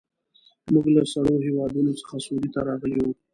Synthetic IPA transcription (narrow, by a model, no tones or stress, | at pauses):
muɡlasaɽoɦewɑd̪unot͡sə̥xasuɾit̪aɾɑɣəlewu